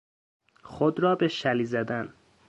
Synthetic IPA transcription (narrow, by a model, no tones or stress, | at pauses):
xod̪ɾɒːbe̞ʃæliːzæd̪æn